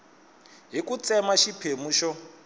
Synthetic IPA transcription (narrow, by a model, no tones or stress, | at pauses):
ɦikut͡sɛmaʃipʰemuʃɔ